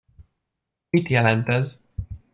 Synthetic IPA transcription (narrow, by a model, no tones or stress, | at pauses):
mit̪jɛlɛnt̪ɛz